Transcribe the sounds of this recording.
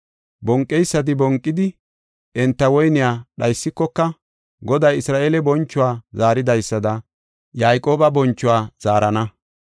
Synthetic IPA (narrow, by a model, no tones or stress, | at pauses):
bɔŋkʼːɛjsːɐt̪̬ɪbɔŋkʼːɪd̪ɪ | ʔɛnt̪ːɐwɔjnɪjaːɗɐjsːɪkːɔkːɐ | ɡɔd̪ɐjɪsɾaːʔeːlɛbɔnt͡ʃːʊwaːzaːɾɪd̪ɐjsːɐd̪ɐ | jaːjkʼo̞ːbɐbɔnt͡ʃːʊwaːz̥aːɾɐnɐ